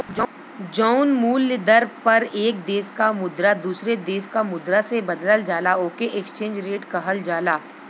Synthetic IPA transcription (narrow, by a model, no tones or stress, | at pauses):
d͡ʒɔːʊnmuːlːɪd̪əɾpɐɾeːk̚d̪eːskamʊd̪ɾad̪uːsɾed̪eːskamʊd̪ɾasebɐd̪ləld͡ʒaːlaoːkeʔɛkst͡ʃẽːnd͡ʒɾeːʈkɐɦəld͡ʒaːlaː